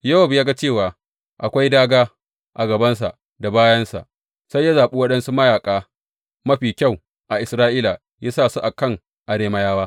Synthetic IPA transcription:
jɐ˦wɐ˦˨bjaː˦ɡa˦t͡ʃeː˦˨waː˨ | ʔa˨kʷa˦jdaː˦ɡaː˦ | ʔa˨ɡɐ˨bɐ˦ns̬a̰˨ʔ | da˨baː˦jɐ˦nsa̰˨ʔ | sa˦jːa˦zaː˨ɓu˦wɐ˦ɗɐ˦nsu˦mɐ˦jaː˨kʼaː˦ | mɐ˦ɸiː˨kʲa˦˨w | ʔa˨ʔɪ˨sɾaː˦ʔiː˦la˨ | ja˦saː˦˨su˦ʔa˨kɐ˦˨ŋ | ʔa˨ɽeː˦mɐ˦jaː˦waː˦

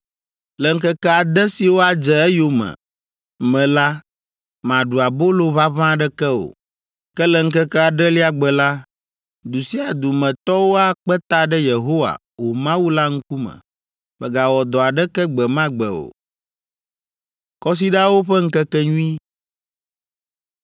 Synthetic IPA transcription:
lɛ˨ŋ̩˦kɛ˦kɛ˦a˨d̪ɛ˦si˨wo˦a˨d͡ʒɛ˨ɛ˦jo˦mɛ̰˨ | mɛ̃˨la˦ | mã˨ɖu˨a˨bo˦lo˨βa˦βã˦˨ɖɛ˦kɛ˦o̰˨ | kɛ˦lɛ˨ŋ̩˦kɛ˦kɛ˦a˨ɖɛ˦li˦a˨ɡ͡bɛ˨la˦ | d̪u˨si˦a˨d̪u˨mɛ̃˨t̪ɔ˦wo˦a˨k͡pɛ˦t̪a˨ɖɛ˦je˨ɦo˦wa̰˨ | wo˨mã˦wu˦la˦ŋ̩˦ku˦mɛ̰̃˨ | mɛ˨ɡa˨wɔ˨d̪ɔ˨a˨ɖɛ˦kɛ˦ɡ͡bɛ˨mã˦ɡ͡bɛ̰˨o̰˨ | kɔ˦s̬i˦ɖa˦wo˦ɸɛ˦ŋ̩˦kɛ˦kɛ˦ɲũ˦ĩ˦

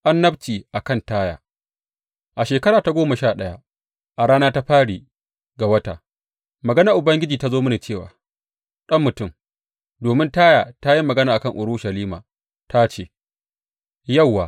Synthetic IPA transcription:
ʔa˦nːɐ˦btiː˨ʔa˨kɐ˦˨ntaː˦ja̰ː˨ | ʔa˨ʃeː˨kɐ˦ɾaː˨ta˦ɡʷoː˦mɐ˨ʃaː˦˨ɗɐ˦ja̰˦ | ʔa˨ɽaː˦naː˦ta˦ɸaː˦ɽiː˨ | ɡa˨wɐ˦ta̰˨ | mɐ˨ɡɐ˦na˦˨ʔʊ˨bɐ˦ŋɡʲɪ˦d͡ʒiː˨ta˦zoː˦mɪ˦ni˨t͡ʃeː˦˨waː˨ | ɗɐ˦mːʊ˨tʊ˦˨m | doː˨mɪ˦ntaː˦jaː˨ta˦ji˦mːɐ˨ɡɐ˦naː˨ʔa˨kɐ˦˨ŋʔʊ˨ɽʊ˦ʃɐ˨liː˦ma̰ː˨ | ta˦t͡ʃeː˦˨ | jɐ˦˨wːaː˨

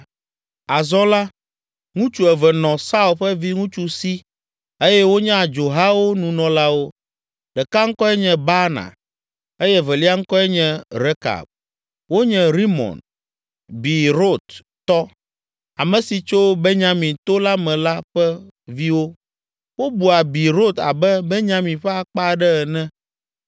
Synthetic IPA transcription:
a˨zɔ˦la˦ | ŋũ˦t͡ʃu˦˨ɛ˨vɛ˨nɔ̃˨sa˦u˦˨lɸɛ˦vi˦ŋũ˦t͡ʃu˨si˦ | e˦jɛ˦wo˦ɲɛ̃˦a˨d͡ʒo˨ɦa˦wo˦nũ˨nɔ̃˨la˦wo˦ | ɖɛ˨ka˦ŋ̩˦kɔ˦ɛ˦ɲɛ̃˨ba˦nã̰˨ | e˦jɛ˦vɛ˨li˦a˦ŋ̩˦kɔ˦ɛ˦ɲɛ̃˦ɾe˦ka̰˨b̚ | wo˦ɲɛ̃˨ɾi˦mɔ̰̃˨n | bi˨ɾo˦t̪ | t̪ɔ˦ | a˨mɛ̃˨si˨t͡ʃo˦be˦ɲã˨mĩ˨t̪o˦la˦mɛ̃˨la˦ɸɛ˦vi˦wo˦ | wo˦bu˨a˨bi˨ɾo˦t̪a̰˨bɛ˦be˦ɲã˦mĩ˨ɸɛ˦a˨k͡pa˦˨ɖɛ˦ɛ˨nɛ̃˦

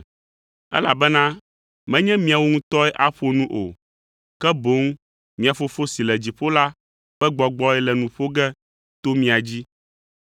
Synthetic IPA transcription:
ɛ̰˦la̰˨bɛ˦nã˦ | mɛ̃˦ɲɛ̃˦mĩ˦a˨wo˦ŋũ˦t̪ɔ˦ɛ˦ʔa˦ɸo˦nũ˦ʔo̰˨ | kɛ˦bo˦ŋ˦ | mĩ˦a˨fo˦fo˦si˨lɛ˨d͡ʑi˨ɸo˦la˦ | ɸɛ˦ɡ͡bɔ˨ɡ͡bɔ˦ɛ˦lɛ˨nũ˨ɸo˦ɡɛ˦ | t̪o˦mĩ˦a˨d͡ʑi˦

